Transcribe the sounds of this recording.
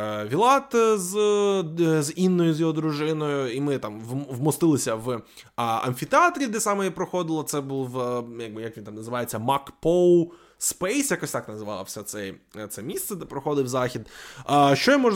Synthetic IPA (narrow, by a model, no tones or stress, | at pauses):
ʋʲilˠɑt̪z | zinːɔjʊzjɔɦɔd̪ɾʊʒɪnɔjʊimɪt̪ɑmʋmɔst̪ɪlˠɪsʲɐʋ | ɐ̰nʲfʲit̪eɑt̪ɾʲid̪ɛsɑmɛjɛpɾɔxɔd̪ɪlˠɐt̪sɛbulˠʋjɐk̚bɨjɐkʋint̪ɑmnɐzɨʋɑjet͡sʲːɐmɑkpɔwˠ | spɛjsʲjɐkɔsʲt̪ɑknɐzɪʋɑ̰lˠɐwsʲɛt̪sɛjt̪sɛmʲist̪sɛd̪ɛpɾɔxɔd̪ɪwzɑxʲid̪ʃt͡ʃɔjɔmɔʒ